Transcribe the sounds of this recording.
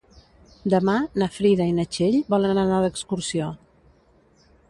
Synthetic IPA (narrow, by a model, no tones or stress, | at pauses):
d̪əmanəfɾiðəinət͡ʃeʎbɔlənnənaðəkskuɾsio